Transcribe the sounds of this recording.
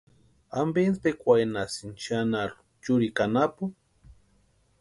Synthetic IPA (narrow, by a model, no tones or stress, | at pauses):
ambenspekʷajnasint͡ʃanalʊ̥ | t͡ʃʊɾikanapu